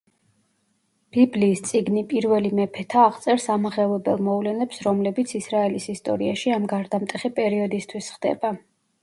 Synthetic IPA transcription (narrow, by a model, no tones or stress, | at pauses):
b̥ibliːst̪sʼiɡnipʼiɾvɛlimɛpʰɛt̪ʰaːʁt̪sʼɛɾsamaʁɛvɛbɛlˠmɔvlɛnɛpsɾɔmlɛbit̪sʰisɾaɛlisist̪ʼɔ̰ɾiaʃiamɡaɾd̪amt̪ʼɛχipʼɛɾiɔd̪ist̪ʰwisχd̪ɛ̰ba